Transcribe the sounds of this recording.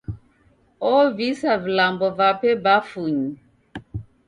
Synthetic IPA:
ɔvisavilambɔvapɛbafuɲi

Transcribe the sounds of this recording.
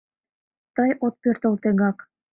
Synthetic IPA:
t̪ɑjʔot̪̚pørt̪ə̆lt̪eŋɑk

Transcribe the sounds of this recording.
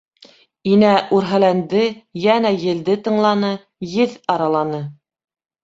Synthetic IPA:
inæʔʉɾɦælænd̪ɘjænæjɘ̆ld̪ɘt̪ɤ̆ɴlˠɑnɤ | jɘðɑɾɑlˠɑnɤ

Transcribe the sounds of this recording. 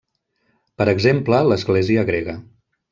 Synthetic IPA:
pəɾəɡzemplələzɣleziəɣɾeɣə

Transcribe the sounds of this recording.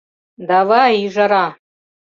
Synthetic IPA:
dawaiʐaɾa

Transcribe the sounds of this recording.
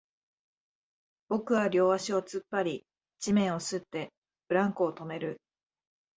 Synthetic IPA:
b̥o̞kɯ̟βaɾʲo̞ːβaɕio̞t͡sɨpːaɾʲi | d͡ʑimẽ̞ɰ̃o̞sɨt̪ːe̞ | bɯ̟ɾãŋkoːt̪o̞me̞ɾɯ̟

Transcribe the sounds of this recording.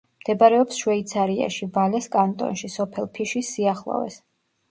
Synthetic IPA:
md̪̥ɛbaɾɛɔpsʃwɛit̪sʰaɾia̰ʃivalɛskʼant̪ʼɔ̰nʃisɔpʰɛlˠpʰiʃisiaχlˠɔ̰vɛ̰s

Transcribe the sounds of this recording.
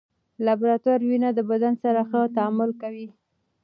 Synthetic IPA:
labɾat̪uɾwinad̪əbad̪ansaɾaxət̪aamʊlkawi

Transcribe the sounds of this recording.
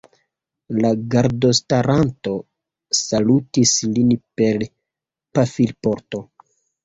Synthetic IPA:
laɡaɾdo̞staɾanto̞ | salutislinpe̞l | pafilpo̞ɾto̞

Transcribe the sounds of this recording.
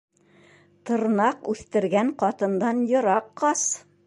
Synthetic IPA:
t̪ɤ̆ɾnɑqʉθt̪ɘ̆ɾɡæɴqɒt̪ɤ̆nd̪ɑnjŏɾɑqːɑs

